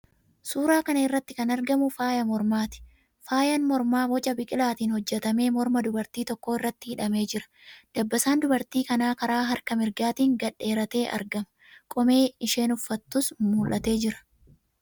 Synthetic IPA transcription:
suːɾaːkɐnɐɪrːɐt̪ːɪkɐnɐɾɡɐmʊfaːjɐmɔɾmaːt̪ɪ̥ | faːjɐnmɔɾmaːwɔt͡ʃʼɐbɪkʼɪlaːt̪iːnhɔd͡ʒːɛt̪ɐme̞ːmɔɾmɐd̪ʊbɐɾt̪iːt̪ɔkːo̞ːɪrːɐt̪ːɪhɪᶑɐme̞ːd͡ʒɪɾɐ̥d̪̥ɐbːɐsaːnd̪ʊbɐɾt̪iːkɐnaːkɐɾaːɦɐɾkɐmɪɾɡaːt̪iːŋɡɐᶑe̞ːɾɐt̪e̞ːʔɐ̰ɾɡɐmɐ̥ | kʼɔme̞ːɪʃe̞ːnʊfːɐt̪ːʊsmuːlʔɐt̪e̞ːd͡ʒɪɾɐ̥

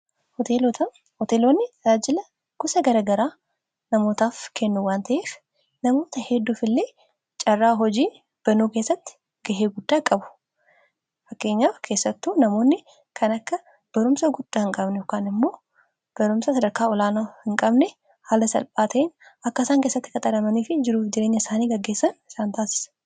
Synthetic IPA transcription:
hɔt̪et̪ɐ | hɔt̪eːloːnːɪaːd͡ʒɪlɐ | ɡʊsɐɡɐɾaːɡɐɾaː | nɐmo̞ːt̪aːfkʰɛnːuwaːnt̪ʰɐʔeːf | nɐmo̞ːt̪ɐhɛd̪ːuːfɪlːe̞ː | t͡ʃʼɐrːaːɦɔd͡ʒiː | b̥ɐnuːke̞ːsːɐt̪ːɪ̥ | ɡɐɦeːɡʊd̪ːaːkʼɐbʊ̥ | fɐkːe̞ːɲːaːfkʰe̞ːsːɐt̪ːuːnɐmo̞ːnːɪ | kʰɐnɐkːɐ | b̥ɐɾʊmsɐɡʊd̪̥ːaːhɪŋkʼɐbnɛjɔkːaːnɪmːo̞ː | b̥ɐɾʊmsɐsɐd̪ɐɾkaːɔlaːnaːhɪŋkʼɐbnɛ | haːlɐsɐ̰lpʼaːt̪ʰɐʔɪnɐkːɐɪsaːŋke̞ːsːɐt̪ːɪ̥kɐt̪ʼɐɾɐmɐniːfɪd͡ʒɪɾuːfd͡ʒɪɾe̞ːɲːɐɪsaːniːɡɐɡːe̞ːsːɐnɪsaːnt̪aːsɪ̥sɐ̥

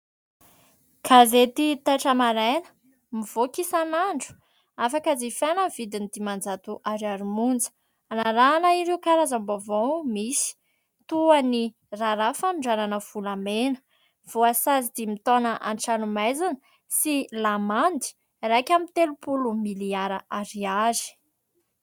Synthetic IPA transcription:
kʰazet̪it̪aʈ͡ʂəmaɾanə̥ | miv̥okisanaɳɖ͡ʐu̥ | afakazifanəv̥id̪inid̪imand͡zat̪uʔaɾiaɾumund͡zə̥ | anaɾanəiɾeukaɾazambovomisi̥ | t̪uani | raɾafamiɳɖ͡ʐananəv̥ulamenə̥ | v̥oasazid̪imit̪onaʔa̰nʈ͡ʂanumajzanə | silamand̪i̥ | rajkʲamit̪elupulumiliaɾaʔaɾiazi̥

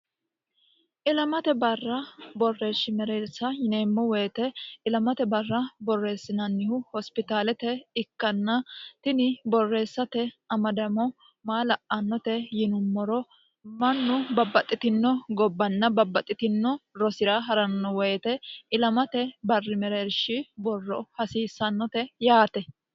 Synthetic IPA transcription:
ʔɪlɐmɐt̪ɛbɐrːɐbɔrːe̞ːʃːɪmɛɾeːsːɐjɪne̞ːmːɔwɔjt̪ɛɪlɐmɐt̪ɛbɐrːɐbɔrːe̞ːsːɪnɐnːɪhʊhɔspɪt̪aːlɛt̪ɛɪkːɐnːɐt̪ɪnɪbɔrːe̞ːsːɐt̪ɛɐmɐd̪ɐmɔ | maːlɐʔʔɐnːɔt̪ɛjɪnʊmːɔɾɔ | mɐnːʊbɐbːɐt̪ʼːɪt̪ɪnːɔɡɔbːɐnːɐbɐbːɐt̪ʼːɪt̪ɪnːɔɾɔsɪɾɐɦɐɾɐnːɔwɔjt̪ɛɪlɐmɐt̪ɛbɐrːɪmɛɾeːɾʃɪbɔrːɔhɐsiːsːɐnːɔt̪ɛjaːt̪ɛ

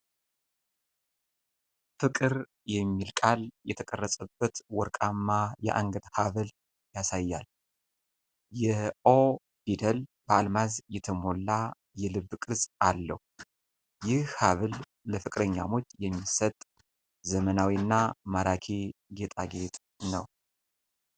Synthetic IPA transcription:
fɨkʼɨɾ | jɛmːilkʼaljɛt̪ʰəkʼərːəsʼəbət̪wɔɾkʼamːajɛ̰ʔa̰ŋɡəd̪haβɨl | jasajːal | jɛʔo | b̥id̪əlbəalmazjɛt̪ʰəmo̞lːa | jɛlɨβːkʼɨzalːə̰hu | jɪhhaβɨl | ləfɨkʼɾəɲːa̰mo̞t͡ʃːjɛmːisət̪ʼ | zəmənawiɨnːamaɾakʰeɡe̞t̪ʼaɡe̞t̪ʼ | nəw

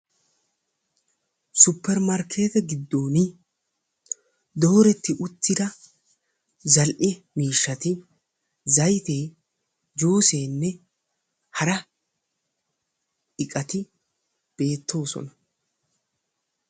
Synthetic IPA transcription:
sʊpːɛɾmɐɾkʰe̞ːt̪ɛɡɪd̪ːo̞ːnɪ | d̪o̞ːɾɛt̪ːɪʔʊt̪ːɪd̪ɐ | zɐlʔɪ | miːʃːɐt̪ɪ | zɐjt̪e̞ː | d͡ʒuːseːnːɛ | hɐɾɐ | ɪkʼɐt̪ɪ | b̥e̞ːt̪ʰːo̞ːsɔ̰nɐ

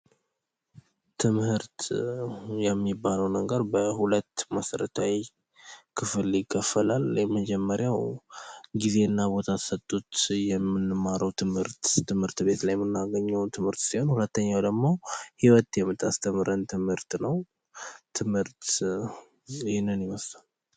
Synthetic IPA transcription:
t̪ʰɨmhɨɾt̪ | jɛmːibːaləwnəɡəɾbəhulət̪ːməsəɾət̪ʰawi | kʰɨfɨljɪkʰʼːəfəlaljɛməd͡ʒɛmːəɾjaw | ɡize̞ɨnːabo̞t̪ʰasət̪ʼːut̪jɛmːɨnːɨmaɾʔəwt̪ʰɨmhɨɾt̪ːɨmhɨɾt̪be̞t̪lajɛmːɨnːaɡəɲːɛwt̪ʰɨmhɨɾt̪siho̞nhulət̪ːəɲːawd̪əɡmo̞hiwət̪jɛmːɨt̪ʰːast̪ʰəmɨɾənt̪ʰɨmhɨɾt̪nəw | t̪ʰɨmhɨɾt̪ | ɪhɪnːɨnjɪməslal

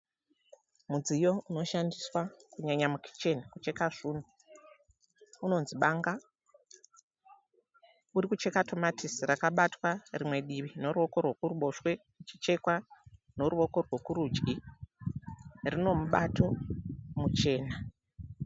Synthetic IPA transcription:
mud͡zijo̞uno̞ʃandiswakuɲaɲamukʰi̥t͡ʃe̞nikut͡ʃe̞kaʐ̥uːn̤u | uno̞nziɓaŋɡa | uɾikut͡ʃe̞katʰo̞matʰisrakaɓatwarimwe̞ɗiʋino̞ɾuo̞ko̞rwokuruɓo̞ʃwe̞ | t͡ʃi̥t͡ʃe̞kwa | no̞ɾuo̞ko̞rwokuɾud͡ʒɡi | rino̞muɓatʰo̞mut͡ʃe̞ːna

